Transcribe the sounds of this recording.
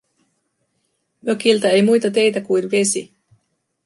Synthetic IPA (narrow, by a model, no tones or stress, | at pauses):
møkilt̪æe̞jmujt̪ɑt̪e̞jt̪ækujnʋe̞sḭ